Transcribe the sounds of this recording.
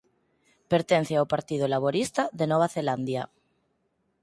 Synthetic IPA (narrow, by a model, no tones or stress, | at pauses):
peɾt̪en̟θeawpaɾt̪ið̞olaβ̞oɾist̪aðenɔβ̞aθeland̪ja